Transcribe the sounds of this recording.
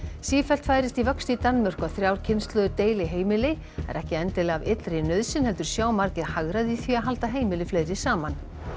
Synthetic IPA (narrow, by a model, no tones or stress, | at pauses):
siːfɛlt̪faːjɾɪst̪ivœkst̪it̪anmœr̥kaθɾjaːwɾ̥cʰɪnst̪lœːðʏt̪eːjlɪɦeːjmɪlɪ | ɛ̰ɾʔɛhcɪɛnt̪ɪlavɪt̪lɾɪnœðsɪnhɛlt̪ʏɾ̥sjaːwmaɾcɪɾhaɣɾaðiθviaɦalt̪aɦeːjmɪlɪfleːjɾɪsaːman